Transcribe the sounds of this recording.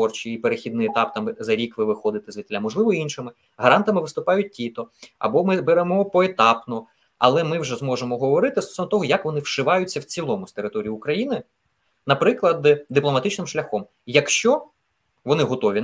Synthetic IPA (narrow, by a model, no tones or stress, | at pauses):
ɔrt͡ʃijipeɾexʲid̪nɪjɛt̪ɑp̚t̪ɑmzɐɾʲikʋɪʋɪxɔd̪ɪt̪ɪzʋʲit̪lʲamɔʒlˠɪʋɔiinʃɪmɪ | ɦɐɾɑnt̪ɐmɪʋɪst̪ʊpɑjʊt̚ʲtʲit̪ɔɐ̰bɔmɪbeɾɛmɔpɔet̪ɑpnɔ | ɐ̰lˠɛmɪwʒɛzmɔʒemɔɦɔʋɔɾɪt̪ɪst̪ɔ̥sɔʋnɔt̪ɔɦɔjɐkʋɔnɪwʃɪʋɑjʊt͡sʲːɐwt͡sʲilˠɔmʊst̪eɾɪt̪ɔɾʲijiːkɾɐjinɪ | nɐpɾɪklˠɐd̪d̪ɪplˠɔmɐt̪ɪt͡ʃnɪmʃlʲɐxɔm | jɐkʃt͡ʃɔ | ʋɔnɪɦɔt̪ɔʋʲi